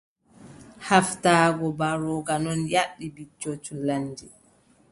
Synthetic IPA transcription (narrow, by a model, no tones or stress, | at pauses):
haftaːɡɔbaɾɔɡanɔnjaɗːibit͡ʃːot͡ʃulaɲd͡ʒɛ